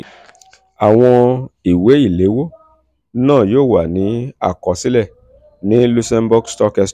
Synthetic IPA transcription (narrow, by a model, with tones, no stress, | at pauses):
a˨w̃ɔ̃˧i˨we˨˦i˦˨le˨˦wo˦ | nãː˦˨joː˦˨wa˨nĩ˨˦a̰˦˨kɔ˨˦si˦lɛ˦˨ | nĩ˨˦lu˧sɛ˧mbu˧ɡstɔ˧kɛ˧s